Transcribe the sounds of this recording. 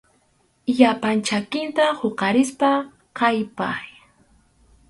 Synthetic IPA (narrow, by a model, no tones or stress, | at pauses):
ʎapant͡ʃakɪnt̪ahoqɑɾɪspa | qajpaj